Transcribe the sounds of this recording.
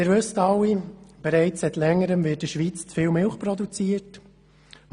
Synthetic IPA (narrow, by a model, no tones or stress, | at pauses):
ɪːɾvɵstɑwːib̥ɛɾɛɪt͡ssɛt̪lɛŋːəɾəmvɪːt̚d̥əʃʋiːt͡st͡sfɪːwmɪlχpɾɔd̪ut͡siət